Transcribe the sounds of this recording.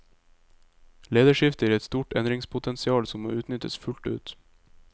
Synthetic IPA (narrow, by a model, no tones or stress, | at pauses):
leːd̪əʃɪft̪əæːɾɛt̪st̪uːʈɛ̰nd̪ɾɪŋspʰʊt̪ʰɛnsɪɑːlsɔmːo̰ːʉːt̪nʏt̪ə̰sfʉlʈ̪ʉːt̪